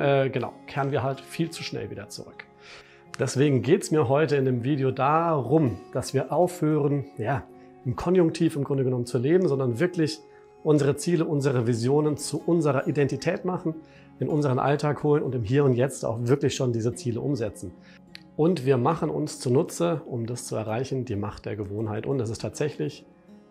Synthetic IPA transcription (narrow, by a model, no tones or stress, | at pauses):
ʔɛːɡəna̰ʊkʰeːʁənviːɐɦaltfiːlt͡su̥ʃnɛ̰lvḭːdɐt͡sṵʁʏk | d̥ɛsv̥eːɡŋ̩ɡeːtsmiːɐɦɔʏtəɪndeːmviːdeodaːʁʊmd̥asv̥iːɐʔaʊfhøːʁənjaː | ʔɪmkʰɔnjʊŋk̚tʰiːfɪmɡʁʊndəɡənɔmənt͡suleːbm̩zɔndɐnvɪɐklɪç | ʔʊnzəʁ̞ət͡siːləʔʊnzəʁəvizjoːnənt͡suʔʊnzəʁɐʔidɛntitʰɛːtmaχn̩ | ɪnʔʊnzəʁənʔa̰ltʰaːkhoːlənʊ̰ntɪmɦiːɐʊntjɛt͡sta̰ʊxv̥ɪɐklɪçʃoːndiːzət͡siːləʔʊmzɛt͡sn̩ | ʔʊntv̥iːɐmaχən̩ʊ̰nst͡sunʊt͡səʔʊmdast͡suɛ̰ɐʁaɪçn̩diːmaχt̚d̥eːɐɡəvoːnɦaɪtʊ̰ntdɛs̬ɪstʰaːtz̥ɛçlɪç